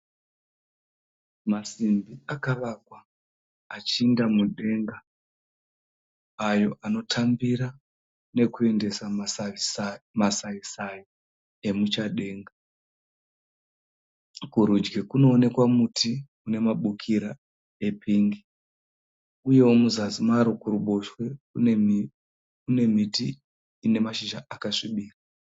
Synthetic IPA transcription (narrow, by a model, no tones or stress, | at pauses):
masimbiakaʋakwaː | t͡ʃiːndamuɗe̞ŋɡa | ajo̞ʔano̞tʰambiɾa | ne̞kue̞nde̞sa | masaisai | e̞mut͡ʃaɗe̞ːŋɡa | kuɾud͡ʒɡekuno̞ːne̞kwamutʰi | une̞maɓukʰiɾa | e̞pʰiːŋɡi | uje̞wo̞muzazimaɾo̞kuɾuɓo̞ʃwe̞ | kune̞mitiː | ne̞maʃiʒaʔakaʂiɓiːra